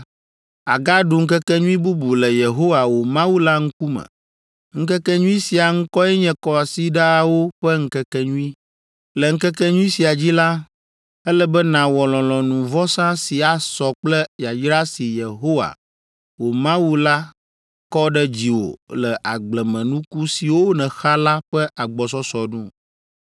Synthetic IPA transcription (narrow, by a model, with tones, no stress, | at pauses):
a˨ɡa˦ɖu˨ŋ̩˦kɛ˦kɛ˦ɲũ˦ĩ˦bu˦bu˨lɛ˨je˨ɦo˦wa˨wo˨mã˦wu˦la˦ŋ̩˦ku˦mɛ̰̃˨ | ŋ̩˦kɛ˦kɛ˦ɲũ˦ĩ˦si˨a˨ŋ̩˦kɔ˦ɛ˦ɲɛ̃˦kɔ˦a˨si˦ɖa˦a˨wo˦ɸɛ˦ŋ̩˦kɛ˦kɛ˦ɲũ˦ĩ˦ | lɛ˨ŋ̩˦kɛ˦kɛ˦ɲũ˦i˦si˨a˨d͡ʑi˦la˦ | ɛ˦lɛ˦bɛ˦nã˨wɔ˨lɔ̃˨lɔ̃˨nũ˨vɔ˦sã˦si˨a˨sɔ˨k͡plɛ˦ja˨d͡ʒɾa˦si˨je˨ɦo˦wa̰˨ | wo˨mã˦wu˦la˦ | kɔ˦ɖɛ˦d͡ʑi˨wo̰˨lɛ˨ʔa˨ɡ͡blɛ˨mɛ̃˨nũ˦ku˦si˨wo˦nɛ̃˨xa˦la˦ɸɛ˦ʔa˨ɡ͡bɔ˨s̬ɔ˦sɔ˨nũ˦